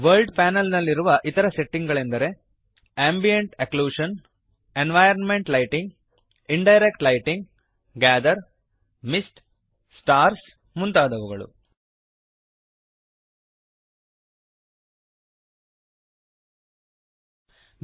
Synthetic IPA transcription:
ʋɐɾlɖpaːnɐlnɐlːiɾuʋɐʔit̪ɐɾɐse̞ʈːiŋɡɡɐɭe̞nd̪ɐɾe̞ | aːmbijeɳʈekluːʂɐn | enʋɐjɐɾnme̞ɳʈlɐjʈiŋɡ | iɳɖɐjɾek̚ʈlɐjʈiŋɡ | ɡæːd̪ɐɾ | misʈ | sʈaːɾs | munt̪aːd̪ɐʋuɡɐɭṵ

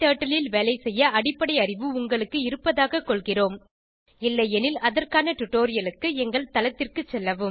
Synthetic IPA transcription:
t̪aːʈːɐlɪlʋeːlɐɪsɛjːɐɐɽɪpːɐɽɐɪɐrɪʋɯʊŋɡɐɭɯkːɯɪɾɯpːɐðaːɣɐkɔɭɣɪroːm | ɪlːɐjɛnɪlɐðɐrkaːnɐʈʊʈːoːɾɪjɐlɯkːɯɛŋɡɐɭt̪ɐlɐt̪ːɪrkɯt͡ʃːɛlːɐʋɯm

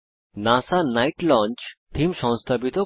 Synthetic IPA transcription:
nãsanaiʈlɔ̃nt͡ʃt̪ʰimʃɔ̃ñst̪ʰapit̪o

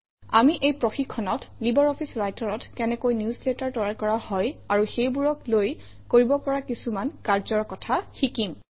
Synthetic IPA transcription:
a̰miʔejpɹɔxikʰːɔnɔtlibɔɹɔpʰisɹajtɔɹɔtkɛnɛkojnjuslɛtaɹtɔɹakɔɹahɔjaɹuxejbuɹɔkloj | koɹibɔpɔɹakisumankaɹzɔɹkɔtʰaxikim

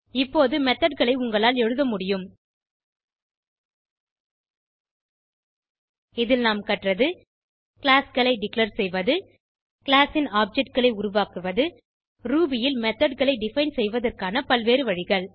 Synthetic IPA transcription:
ɪpːoːðɯmɛt̪ːɐɖɣɐɭɐɪʊŋɡɐɭaːlɛɻɯðɐmʊɽɪjɯm | ɪðɪlnaːmkɐʈrɐðɯ | kɭaːsɣɐɭɐɪɖɪklɐɾsɛjʋɐðɯ | kɭaːsɪnaːp̚d͡ʒɛʈ̚ɣɐɭɐɪʊɾʊʋaːkɯʋɐðɯ | ɾuːbɪjɪlmɛt̪ːɐɖɣɐɭɐɪɖɪfɐɪnsɛjʋɐðɐrkaːnɐpɐlʋeːɾɯʋɐɻɪɣɐɭ

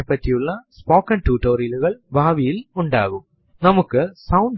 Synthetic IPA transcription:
pːɐtːijuɭːɐspoːkːɐɳʈuːʈːoːɾiluɣɐɭbaːʋijiluɳɖa̰ːɣum | nɐmukːɨsɐwɳɖ

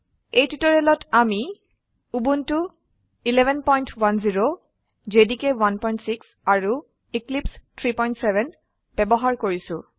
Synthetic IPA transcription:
ejtitɔɹɛlɔtʰami | ubuntʊ | ilɛbʱɛnpɔjntʰwanziɹo | zedikɛwanpɔjntsiks | aɹu | iklipstʰɹipɔjntsɛbʱɛn | b̥ɛbɔɦaɹkoɹisʊ̰̃

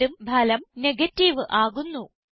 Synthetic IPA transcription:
umbʱɐlɐmneɡɐtːiʋɨʔaːɣunːu

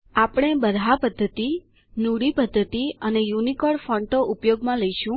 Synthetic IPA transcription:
apɽ̃ebəɾʱapəd̪ʱːət̪i | nuɽipəd̪ʱːət̪iənejunikoɭfɔɳʈoʔupjoɡmãləiʃũ

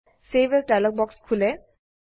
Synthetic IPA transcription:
sebɛdajlɔk̚bɔkskʰulɛ

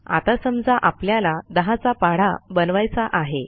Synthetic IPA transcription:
a̰t̪asəmd͡zaʔapljalad̪əɦat͡sapaɽ̤a̰bənʋajt͡saʔaɦe

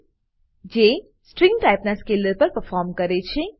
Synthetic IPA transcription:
d͡ʒe | sʈɾɪ̃ŋɡʈaɪpnaskeːləɾpəɾpəɾfɔːɾmkəɾet͡ʃʰe

